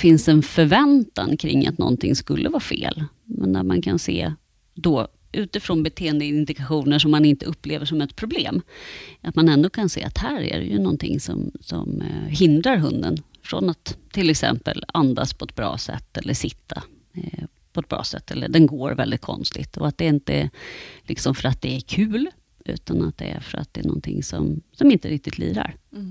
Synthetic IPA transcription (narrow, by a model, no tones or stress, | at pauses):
fɪnsɛnfœɾvɛnt̪ankʰɾɪŋːat̪nɔ̰nt̪ʰɪŋskɵlːʔəvɑːfeːl | mɛnd̪æɾmankʰanseː | d̪ɔ | ʔʉ̟ːt̪ɪfɾɔnbɛt̪ʰeːənd̪ənd̪ɪkaɧuːnəʂɔmːanɪnt̪əɵpːleːvəʂɔmɛt̪̚pʰɾʊbleːmʔat̪manɛnd̪oːkʰansḛːat̪hæːɾæɾɛjɵnɔnt̪ʰɪŋsɔmsɔmɦɪnd̪ɾaɾɦɵnd̪ənfɾɔnat̪ʰːɪlɛksɛmpəland̪aspʰɔɛt̪̚bɾɑːsɛ̰t̪ːɛlːəʂɪt̪ʰːa | pʰɔɛt̪̚bɾɑ̰ːsɛt̪ːɛlːəɖɛnɡoːɾvɛld̪ɪt̪̚kʰɔ̰nst̪ɪɡt̪ʰɔat̪̚d̪ɛɪnt̪əlɪksɔmfœɾat̪̚d̪ɛæɾkʰʉ̟ːl | ʉ̟̰ːt̪anat̪̚d̪ɛæɾfœɾa̰t̪̚d̪ɛːɳɔnt̪ʰɪŋsɔmsɔmɪnt̪əɾɪk̚t̪ɪt̪liːɾa̰ɾ